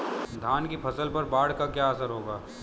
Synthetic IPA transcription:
d̪ʱaːnkipʰɐsəlpɐɾbaːɽ̤kakjaːɐsəɾɦoːɡaː

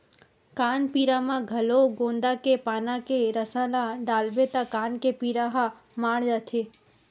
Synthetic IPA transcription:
kanpiɾamãɡʱəloɡõnd̪akepanãkeɾəsalaɖalbet̪akankepiɾaɦa | maɽd͡ʒat̪ʰe

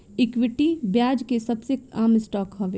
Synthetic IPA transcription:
ɪkwɪʈibjaːd͡ʒkesɐbsekaːmɪsʈɔːkɦɐʋeː

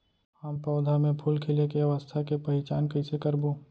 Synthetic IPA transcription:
haːmpɔːd̪ʱamẽpʰulkʰɪlekeʋast̪ʰakepɐɦɪt͡ʃaːnkɐɪsekəɾboː

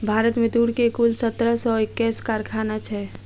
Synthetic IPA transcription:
bʱaːɾət̪mẽd̪uɽkekulsət̪ɾəsɔɪkːɛskaɾkʰanat͡ʃʰɛ

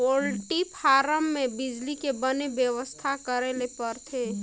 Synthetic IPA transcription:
olʈipʰaːɾəmːẽbɪd͡ʒlikebənebjəʋəst̪ʰakəɾelepəɾt̪ʰe

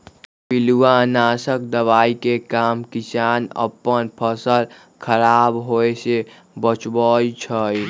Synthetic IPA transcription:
piluwanaːsək̚d̪əʋaːikekaːmkit͡ʃaːnə̰pːənpʰəsəl | kʰəɾaːbɦoese | bət͡ʃbəit͡ʃʰəj

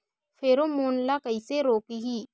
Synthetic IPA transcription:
fʰeːɾomoːnlakəiseɾoːkiɦiː

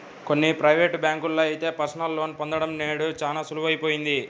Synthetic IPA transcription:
ko̞nːipɾɐjʋeːʈbʲjaːŋkulːoːɐjt̪e̞ːpɐɾsɐnɐlːoːnipond̪ɐɽɐmneːɽut͡ʃaːnaːsuluʋɐjipo̞ːjind̪i

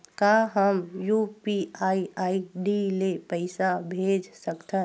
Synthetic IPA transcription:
kaɦəmjupiaːiaːiɖilepəɪsabʱeːd͡ʒsəkt̪ʰe

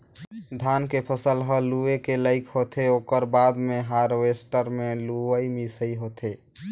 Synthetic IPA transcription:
d̪ʱankepʰəsəlɦəluekeləɪkʰɦot̪ʰeokəɾbad̪meɦaɾwesʈəɾmeluəjmisəiɦot̪ʰe

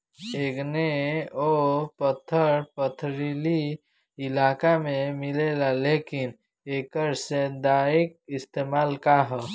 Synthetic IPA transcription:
eːɡneopət̪ʰːəɾpət̪ʰɾili | ɪlaːkamẽmɪlelaleːkɪn | eːkəɾsed̪aːɪk̚ɪst̪eːmaːlkaɦɛ

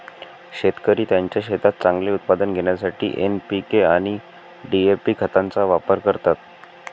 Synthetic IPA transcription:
ɕet̪kəɾiːt̪jaɲt͡ɕjaɕet̪at̪̚t͡saŋɡleut̪̚pad̪ənɡʱeɳ̃jasaʈʰḭːʔenpikeaɽ̃i | ɖiepiːkʰət̪ant͡saʋapəɾkəɾt̪at̪̚

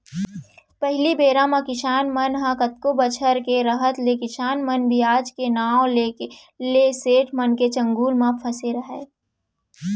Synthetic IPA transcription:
pɛɦlibeːɾãmãkɪʃaːnmənɦãkət̪̚kobət͡ʃʰəɾkeɾəɦət̪lekɪʃaːnmənbʱiaːd͡ʒkenaːw̃le | leseːʈʰmənket͡ʃə̃ŋɡuːlmãpʰɐseɾɐɦeː

